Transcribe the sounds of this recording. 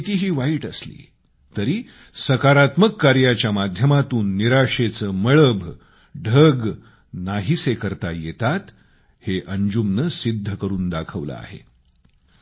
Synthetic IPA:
it̪iːɦiːʋaiːʈəslḭː | t̪əɾiː | səkaɾat̪məkːaɾjat͡ɕjamad̪ʱjəmat̪uːnːiɾaʂet͡səːməɭəbʱ | ɖʱəɡ | naɦisekəɾt̪ajet̪at̪ | heʔəɲd͡ʑumnəsid̪ʱːəkəɾuːnd̪akʰəʋlə̰a̰ɦḛ

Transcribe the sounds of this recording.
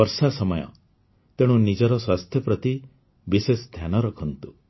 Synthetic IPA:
ɔɾsasɔmɔjɔ̰ | t̪eɽ̃ũnid͡ʒɔɾɔswast̪ʰjɔpɾɔt̪i | bisest̪ʰjanɔɾɔkʰɔnt̪u

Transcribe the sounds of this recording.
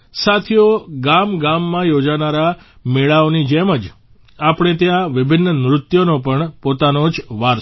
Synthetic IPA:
sat̪ʰjoɡamɡamːãjod͡ʒanaɾa | meɭaonid͡ʒɛməd͡ʒ | apɽ̃et̪jãʋɪbʱɪnːənɾʊt̪jonopəɳpot̪anod͡ʒʋaɾ

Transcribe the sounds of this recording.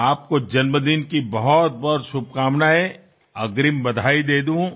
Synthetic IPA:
aːp̚kod͡ʒɐnməd̪inkibɐɦɔt̪̚bɔt̪ʃʊb̚ʱkaːmnae | ɐɡɾimbɐd̪ʱaːid̪eːd̪ũ

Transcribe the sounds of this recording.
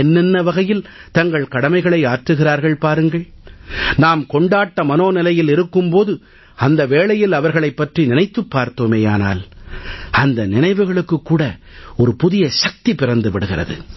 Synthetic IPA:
ɛnːɛnːɐʋɐɣɐjɪl | t̪ɐŋɡɐɭkɐɽɐmɐɪɣɐɭɐɪaːʈrɯɣɪraːɾɣɐɭpaːɾɯŋɡɐɭ | naːmkɔɳɖaːʈːɐmɐnoːnɪlɐjɪlɪɾɯkːɯmpoːðɯ | ɐnd̪ɐʋeːɭɐjɪlɐʋɐɾɣɐɭɐɪpːɐʈrinɪnɐɪt̪ːɯpːaːɾt̪oːmeːjaːna̰ːl | ɐnd̪ɐnɪnɐɪʋɯɣɐɭɯkːɯkːuːɽɐ | ɔɾɯpʊðɪjɐʃɐk̚t̪ipɪrɐnd̪ɯʋɪɽɯɣɪrɐ̰ðɯ̰

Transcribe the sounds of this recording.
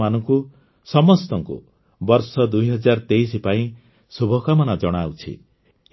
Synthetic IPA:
manɔŋku | sɔmɔst̪ɔŋkṵ | bɔɾsɔd̪ujɦɔd͡ʒaɾɔt̪eisipaĩ | subʱɔkamɔnad͡ʒɔɽ̃awt͡ʃʰḭ

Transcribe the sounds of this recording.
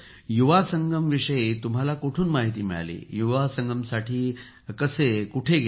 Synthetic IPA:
juʋasəŋɡəmʋiʂəjet̪um̤alakoʈʰuːnmaɦit̪iːmiɭa̰lḭːjuʋasəŋɡəmsaʈʰiː | kəsekuʈʰeɡ

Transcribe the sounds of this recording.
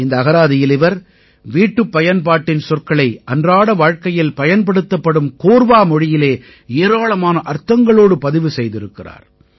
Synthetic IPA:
ɪnd̪ɐːɣɐɾaːðɪjɪlɪʋɐɾ | ʋiːʈːɯpːɐjɐnpaːʈːɪnsɔrkɐɭɐɪʔɐndraːɽɐʋaːɻkɐjɪlpɐjɐnp̬ɐɽɯt̪ːɐpːɐɽɯmkoːɾʋaːmɔɻɪjɪleː | eːɾaːɭɐmaːnɐʔɐɾt̪ɐŋɡɐɭoːɽɯpɐðɪʋɯsɛjðɪɾɯkːɪra̰ːɾ

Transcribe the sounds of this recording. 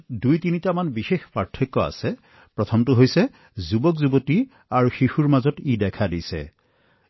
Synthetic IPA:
dujtinitamanbixexpɹaɹtʰːɔkːɔa̰sɛ | pɹɔtʰɔmtʊɦojsɛ | zubɔkzuboti | aɹuxixuɹmazɔtidɛkʰadisɛ̰

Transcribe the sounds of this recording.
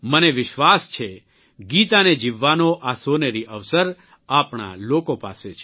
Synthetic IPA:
məneʋɪʃʋast͡ʃʰe | ɡit̪aned͡ʒiʋːanoʔasoneɾiʔəʋsəɾ | apɳa̰lokopa̰set͡ʃʰe

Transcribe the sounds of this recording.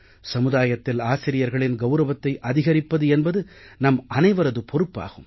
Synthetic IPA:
sɐmɯðaːjɐt̪ːɪlaːsɪɾɪjɐɾɣɐɭɪnɡɐʊɾɐʋɐt̪ːɐɪʔɐðɪɣɐɾɪpːɐðɯɛnbɐðɯnɐmɐnɐɪʋɐɾɐðɯpʰɔɾɯpːa̰ːɣɯm

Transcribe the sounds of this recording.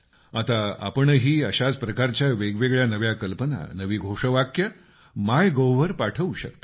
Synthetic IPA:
at̪aa̰pəɳɦiːəɕat͡spɾəkaɾt͡ɕjaʋeɡʋeɡɭjanəʋjakəlpəna̰nəʋiːɡʱoʂəʋakjə | majɡowʋəɾpaʈʰəuɕə̰kt̪ə̥

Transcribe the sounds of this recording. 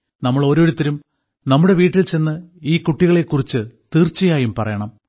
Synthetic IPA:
nɐmːɐɭo̞ːɾo̞ːɾut̪ːiɾum | nɐmːuɽe̞ʋiːʈːilt͡ɕe̞nːɨiːkuʈːiɣɐɭe̞kːurit͡ɕːɨt̪iːrt͡ɕːɐjaːjumpɐrɐjɐɳɐm

